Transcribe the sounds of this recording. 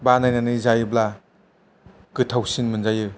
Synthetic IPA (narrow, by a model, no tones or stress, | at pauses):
banajnanɯzajɯbla | kɯtʰawsinmɯnzajɯ